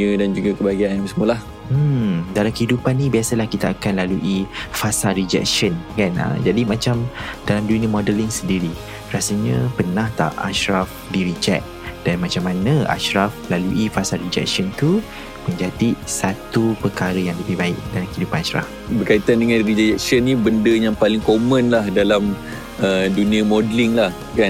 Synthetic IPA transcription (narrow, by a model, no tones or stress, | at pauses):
ədand͡ʒuɡakəbaɡianjãŋsəmulah | m̩dalamkəhidupanːĩbiasəlahkit̪aakanlaluʔifasalɾid͡ʒɛ̰k̚ʃənkanə̰d͡ʒadimãt͡ʃamdalamdunəmɔdəliŋsəndiɾi | rasəɲəpənaht̪a̰ʔa̰ʃɾaf | diɾid͡ʒɛ̰ʔ̚ | d̥anmãt͡ʃamanaa̰ʃɾaflaluʔifasalrid͡ʒɛ̰k̚ʃənt̪u | məɲd͡ʒat̪iʔsat̪upərkaɾəjaŋləbɪhbaɪʔ̚dalamkəidupanaʃɾa̰f | bərkait̪andəŋãnrid͡ʒɛd͡ʒɛk̚sənːibəndəjaŋpalɪŋkomə̃nlahdalam | ədunĩamodliŋlah | ka